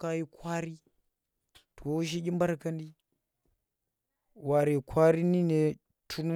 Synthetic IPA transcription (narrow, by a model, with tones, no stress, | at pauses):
ka˦ji˦kʰʷwa˦ɾi˦ | to˨wo˦ʃ̬i˦ɡʲi˦mba˦ɾkɐ˦ndi˦ | wa˨ɾe˨kʰʷwa˦ɾi˦ni˦ne˨ | tʰu˦nu˦